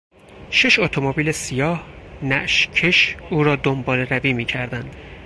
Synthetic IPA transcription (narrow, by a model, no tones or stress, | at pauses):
ʃeʃot̪ʰomobiːlesijɒːhnæʔʃcʰeʃuːɾɒːd̪ombɒːleɾæviːmiːcʰæɾd̪ænd̪̥